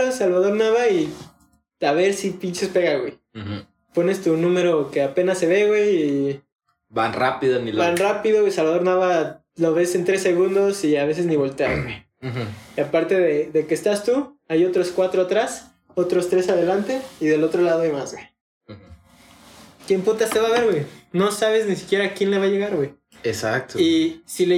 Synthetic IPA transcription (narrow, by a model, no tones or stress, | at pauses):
osalβaðo̞ɾnaβai | aβ̞e̞ɾsipint͡ʃespe̞ɣaɣwe̞j | po̞ne̞st̪unũme̞ɾo̞ke̞ape̞nasːe̞βe̞ɣwej | ba̰nra̰piðonilbanrapiðoisalβaðo̞ɾnaβa | lo̞β̞e̞se̞nt̪ɾe̞sːe̞ɣund̪o̞siaβe̞s̬e̞zniβo̞lt̪e̞a̰wej | iapaɾt̪e̞ðeðe̞kest̪ast̪uajot̪ɾo̞skwat̪ɾoat̪ɾas | o̞t̪ɾo̞st̪ɾe̞saðe̞lant̪e̞iðe̞lo̞t̪ɾo̞laðoemazwej | kjemput̪ast̪e̞βaβe̞ɾɣwejno̞saβ̞e̞znisi̥kje̞ɾakje̞nle̞βaʝe̞ɣaɾɣwej | esak̚t̪oisile